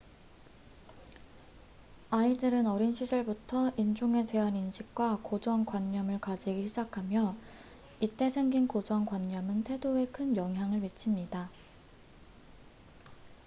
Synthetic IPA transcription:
aidɯɾɯnʌɾinɕʰid͡ʑʌɭbutʰʌind͡ʑuŋe̞te̞ɦaninɕʰik̚k͈wakod͡ʑʌŋkwaɲːʌmɯɭkad͡ʑiɡiɕʰid͡ʑakʰamjʌ | it͈e̞sʰe̞ŋɡinkod͡ʑʌŋkwaɲːʌmɯntʰe̞doe̞kʰɯnjʌŋɦjaŋɯɭmit͡ɕʰimɲida

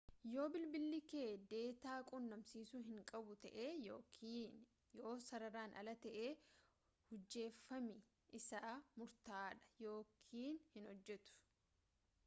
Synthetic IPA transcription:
jo̞ːbɪlbɪlːɪke̞ːd̪e̞ːt̪aːkʼʊnːɐmsiːsʊɦɪŋkʼɐbʊt̪ɐʔeːjoːkʰiːn | jo̞ːsɐɾɐɾaːnʔɐ̰lɐt̪ɐʔeː | hʊd͡ʒːe̞ːfːɐmɪ | ɪsaːmʊɾt̪aːᶑɐ̥jo̞ːkʰiːnhɪnhɔd͡ʒːɛt̪ʊ̥

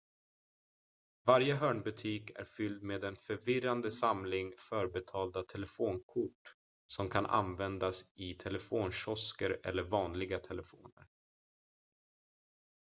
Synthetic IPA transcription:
vaɾjəɦœːɳbɵt̪ʰiːkʰæ̰ɾfʏld̪meːd̪ɛnfœɾvɪɾand̪əsamlɪŋfœɾbɛt̪ʰɑːld̪at̪ʰɛlɛfoːnkʰʊʈː | sɔmkʰanʔa̰nvɛnd̪asɪt̪ʰɛlɛfoːnɕɔskəɾɛ̰lːəɾvɑːnlɪɡat̪ʰɛlɛfo̰ːnə̰ɾ

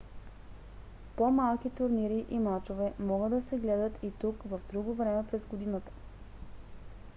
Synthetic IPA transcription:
pomalˠk̟it̪ʊɾniɾiʔimat͡ʃovɛmɔɡəd̪d̪ɐsɛɡlɛd̪ət̪ʰit̪ukvəvd̪ɾuɡovɾɛmɛpɾɛzɡod̪inət̪ə̥

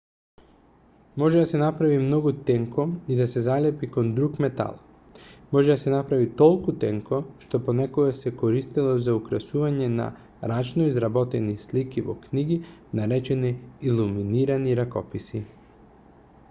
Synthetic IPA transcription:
mɔʒɛd̪asɛnapɾavimnɔɡut̪ɛŋkɔid̪asɛzalɛpikond̪ɾukmɛt̪a̰lˠ | mɔʒɛd̪asɛnapɾavit̪ɔlˠkut̪ɛŋkoʃt̪oponɛkoɡasɛkoɾist̪ilˠɔzaukɾasuvaɲɛna̰ | ɾat͡ʃnɔizɾabɔt̪ɛnislikivɔ̰kniɡinaɾɛt͡ʃɛniːlˠuminiɾaniɾakɔpisi

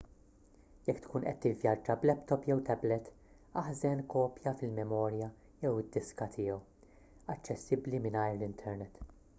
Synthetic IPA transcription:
jɛkːt̪kuːnʔɛ̰t̪ːɪvjɐd͡ʒɐblɛpt̪ɔpjɛwt̪ɛblɛt̪ | ɐħzɛnkɔːpjɐfɪlmɛmɔːɾjɐ | jɛwɪd̪ːɪskɐt̪ʰɪːjɔw | ɐt͡ʃːɛsːɪblimɪnɐjɾlɪnt̪ʰɛɾnɛt̪

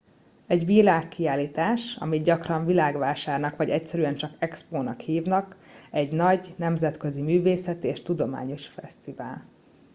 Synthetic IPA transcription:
ɛɟʋilaːkːiaːliːt̪aːʃɒ̰miɟɒkrɒɱvilaːɡʋaːʃaːrnɒkʋɒɟɛcsɛɾyɛnt͡ʃɒkɛkspoːnɒkhiːvnɒk | ɛɟnɒɟnɛmzɛt̪køzimyːveːsɛt̪eːʃt̪ud̪o̞ma̰ːɲo̞ʃfɛ̰st̪iva̰ːl

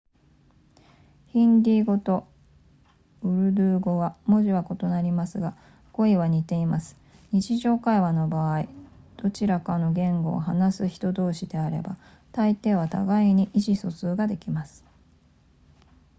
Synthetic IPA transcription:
çĩnd̪ʲiːɡo̞t̪o̞ | ɯ̟ɾɯ̟d̪ɯ̟ːɡo̞βamo̞ʑiβako̞t̪o̞naɾʲimasɨɡa | ɡ̥o̞iβaɲ̟it̪e̞imasɨ̥ | ɲ̟it͡ɕiʑo̞ːkaiβano̞baːid̪̥o̞t͡ɕiɾakano̞ɡẽ̞ŋɡo̞̰ːɦanasɨçi̥t̪o̞d̪o̞ːɕid̪e̞aɾe̞̰ba̰ | t̪ait̪e̞ːβat̪a̰ɡaiɲ̟iʔiɕiso̞sɨːɡad̪e̞kʲimasɨ̥

